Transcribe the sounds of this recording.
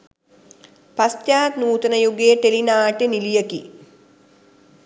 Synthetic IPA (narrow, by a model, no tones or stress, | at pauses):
past̪jaːt̪nuːt̪ənəjuɡeːʈelinaːʈenilijəki